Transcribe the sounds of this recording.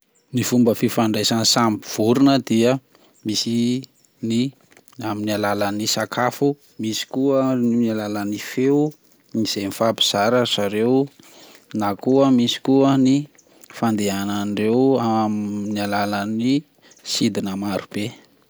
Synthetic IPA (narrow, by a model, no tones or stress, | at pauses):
nifumbəfifaɳɖ͡ʐajsansampiv̥uɾunəd̪iə | misi | ni | aminalalanisakʰafu | misi̥kuəninalalanifeu | niz̥emifabi̥z̥aɾəz̥aɾew | nakuəmisi̥kuəni | fand̪eanaɳɖ͡ʐewamnialalani | sid̪inəmaɾub̥e